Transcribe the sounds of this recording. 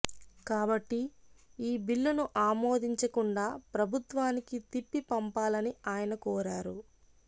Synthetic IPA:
kaːbɐʈːiiːbilːunuʔaːmoːd̪ʱiɲt͡ʃɐkuɳɖaːpɾɐbʱut̪ʋaːnikit̪ipːipɐmpaːlɐniaːjɐnɐkɔːɾaːɾu

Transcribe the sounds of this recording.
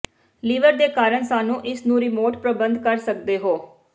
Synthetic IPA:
liːʋəɾd̪eːkaːɾəɳsaːnũːʔɪsnũːɾɪmoːʈpɾəbənd̪kəɾsək̚d̪eːɦoː

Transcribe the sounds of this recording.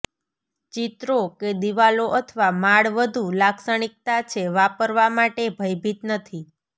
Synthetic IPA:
t͡ʃit̪ɾoked̪iʋaloʔət̪ʰʋamaɭʋəd̪ʱulaksəɽ̃ik̚t̪at͡ʃʰeʋapəɾʋamaʈebʱəjbʱit̪nət̪ʰi

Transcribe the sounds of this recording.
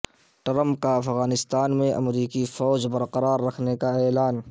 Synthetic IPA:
ʈɾə̃mp̚kaɐfɣaːnɪst̪aːnmẽʔɐ̰mɾiːkifɔːzbɐɾqəɾaːɾːɐkʰnekaɛːlaːn

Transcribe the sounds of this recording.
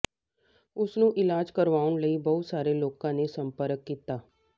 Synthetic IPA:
ʊsnũːʔɪlaːd͡ʒkəɾʋaːʊɳləiːbəʊt̪saːɾeːloːkãːneːsəmpəɾəkːiːt̪aː

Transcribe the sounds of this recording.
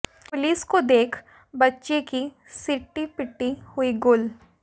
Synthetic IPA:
pʊliːskod̪eːkʰ | bɐtːʃeki | sɪʈːipɪʈːihʊiɡʊl

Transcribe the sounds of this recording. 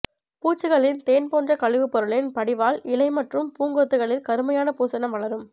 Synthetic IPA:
puːt͡ʃːɯɣɐɭɪnt̪eːnpoːndrɐkɐɻɪʋɯpːɔɾɯɭɪnpɐɽɪʋaːlɪlɐɪmɐʈrɯmpuːŋɡoːt̪ːɯɣɐɭɪlkɐɾɯmɐjaːnɐpuːsɐnɐmʋɐɭɐɾɯm

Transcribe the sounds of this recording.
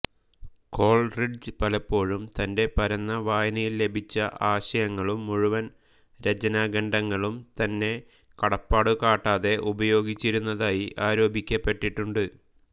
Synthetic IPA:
ko̞ːɭriɖd͡ʑpɐlɐpːo̞ːɻumt̪ɐnde̞pɐɾɐnːɐʋaːjɐnɐjille̞bʱit͡ɕːɐʔaːɕɐjɐŋːɐɭumːuɻuʋɐn | ɾed͡ʑɐnaːɡɐɳɖɐŋːɐɭumt̪ɐnːe̞ | kɐɽɐpːaːɽukaːʈːaːðe̞ʔubɐjo̞ːɡit͡ɕːiɾunːɐðaːjiʔaːɾo̞ːbikʲːɐpːe̞ʈːiʈːuɳɖɨ

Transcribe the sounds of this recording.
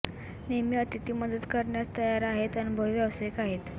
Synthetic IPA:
nemiːət̪it̪iːməd̪əd̪kəɾɳjat͡st̪əjaɾaɦet̪anubʱəʋjaʋsekaɦet̪

